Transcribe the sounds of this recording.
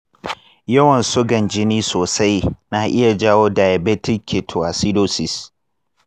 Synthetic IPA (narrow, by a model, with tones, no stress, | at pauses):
jɐ˦wɐ˨nsʊ˦ɡɐ˨nd͡ʒɪ˦niː˦soː˨sa˦jnaː˨ʔɪ˦ja˨d͡ʒaː˦woː˦daː˨ja˨beː˦tɪ˦kʰːe˨tʰo˨ʔa˨si˦doː˦sɪ˨s